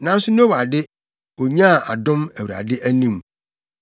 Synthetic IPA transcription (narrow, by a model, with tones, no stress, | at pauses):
nã˨˦n˦sʊ˦nʊ̃˦o˦wa˨dɪ˦ | o˨ɲã˦˨a˨dʊ̃˦mæ˨wɾa̰˨dɪ˦ʔæ˦nĩ˦m